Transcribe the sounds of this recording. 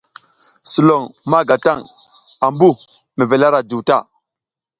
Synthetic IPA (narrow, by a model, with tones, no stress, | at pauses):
su˨lo˨ŋma˦ɡa˨ta˦˨ŋ | a˨mbu˦ | me˨ve˨la˦ɾa˨d͡ʒu˨wta˦˨